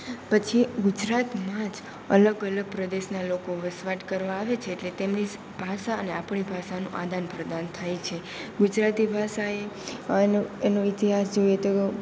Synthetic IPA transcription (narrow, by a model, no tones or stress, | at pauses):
pət͡ʃʰiɡud͡ʒɾat̪mãd͡ʒ | ə̰ləɡələɡ̚pɾəd̪eʃnalokoʋəsʋaʈkəɾʋaːʋet͡ʃʰeːʈlet̪emni | b̥ʱaʃaəneapɳibʱaʃanũʔad̪ʱanpɾəd̪ant̪ʰajt͡ʃʰe | ɡud͡ʒɾat̪ibʱaʃae | enũit̪iɦasd͡ʒojet̪o